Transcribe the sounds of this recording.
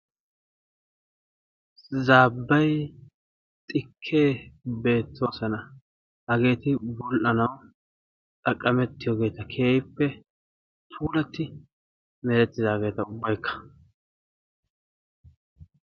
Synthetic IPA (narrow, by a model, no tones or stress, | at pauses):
zaːbːɐj | t̪ʼɪkʰːe̞ːbe̞ːt̪ːo̞ːsɐnɐ | hɐɡe̞ːt̪ɪbɔlʔɐnɐw | tʼɐkʼːɐmɛt̪ːɪjoːɡe̞ːt̪ɐkʰeːjɪpːɛ | t̪ʰuːlɐt̪ːɪ | mɛɾɛt̪ːɪzaːɡe̞ːt̪ɐʊbːɐjkʰːɐ̥